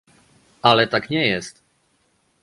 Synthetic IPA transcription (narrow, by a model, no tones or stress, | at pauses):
alɛt̪akɲɛjɛst̪